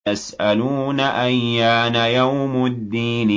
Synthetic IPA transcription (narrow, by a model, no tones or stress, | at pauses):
asʔʔaluːnaʔajːaːnajawmʊd̪ːiːn